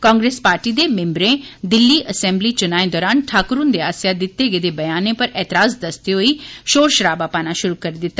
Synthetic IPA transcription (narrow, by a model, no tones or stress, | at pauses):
kãːŋɡɾeːspaːɾʈiːd̪eːmẽmbɾẽd̪ɪlːiːʔəsɛ̃ːmbliːt͡ʃʊnaːed̪ɔːɾaːnʈʰaːkɾund̪eːaːsjad̪ɪt̪ːeɡed̪eːbɐjaːnẽpəɾɛːt̪ɪɾaːzd̪əst̪iɦoiːʃoːɾʃəɾaːbaːpaːnaʃʊɾuːkəɾid̪ɪt̪ːa